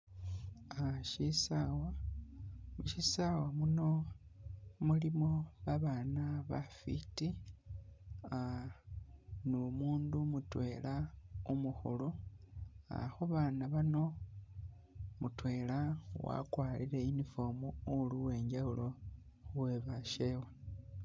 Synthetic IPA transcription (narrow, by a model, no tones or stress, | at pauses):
aʃisawa | muʃisawamuno̞ | mulimoβaβaːnaβafiti | a | nomuːndumutwe̞ːlaumuxṵlu | a̰xoβaːnaβano̞ | mutwe̞ːlawa̰kwaːliɾe̞inifo̞muuluwe̞ːɲɟaulo | we̞βaʃewe